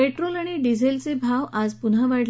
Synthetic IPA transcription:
eʈɾolaɽ̃iɖid͡zʱelt͡sebʱaʋad͡zpunaʋaʈ

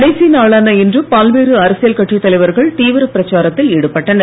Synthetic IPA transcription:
ɽɐɪsinaːɭaːnɐɪndrɯpaːlʋeːrɯɐɾɐsɪjɐlkɐʈːrit̪ːɐlɐɪʋɐɾɣɐɭt̪iːʋɪɾɐpɪɾɐt͡ʃːaːɾɐt̪ːɪlɛɽɯpːɐʈːɐn

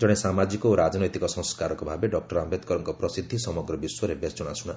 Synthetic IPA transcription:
d͡ʒɔɽ̃esamad͡ʒikɔoɾad͡ʒɔnɔjt̪ikɔsɔ̃skaɾɔkɔbʱabeɖɔk̚ʈɔɾambed̪kɔɾɔŋkɔpɾɔsid̪ʱːisɔmɔɡɾɔbiswɔɾebesd͡ʒɔɽ̃asuɽ̃a

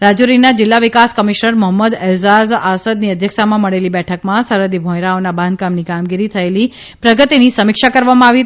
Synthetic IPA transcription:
ɾad͡ʒuɾinad͡ʒɪlːaʋɪkaskəmiʃnəɾməɦəmːəd̪ɛzazasəd̪niəd̪ʱjəksamãməɭelibɛʈʰəkmãsəɾəd̪ibʱõjɾaonabãnd̪̚kamnikamɡiɾit̪ʰəeli | pɾəɡət̪inisəmɪkʃakəɾʋamãaʋi

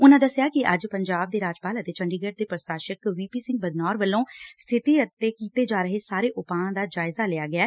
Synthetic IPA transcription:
ʊnãːd̪əsɪjaːkɪʔə̰d͡ʒpəɲd͡ʒaːb̚d̪eːɾaːd͡ʒpaːlət̪eːt͡ʃəɳɖiːɡeːʈ̚d̪eːpɾəsaːʃəkʋiːpiːsɪ̃ŋɡ̚bəd̪nɔːɾʋəlːõːst̪ʰɪt̪iːət̪ːeːkiːt̪eːd͡ʒaːɾəɦeːsaːɾeːʔʊpãːd̪aːd͡ʒaːɪzaːlɪaːɡɪaː

